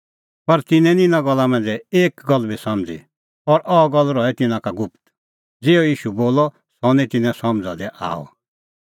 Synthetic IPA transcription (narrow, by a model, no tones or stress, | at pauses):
pɐɾt̪ɪnɛ̃nĩnãɡɔlːamɛ̃nd͡zɛeːkɡɔlːbisɐ̃md͡zḭ | ɔɾʔɔɡɔlːɾɔɛt̪ɪ̃nãkaɡʊpʰt̪ | d͡zeːɔjiːʃuboːlɔ | sɔnĩt̪ɪnɛ̃sɔmd͡zad̪ɛʔa̰ːɔ̰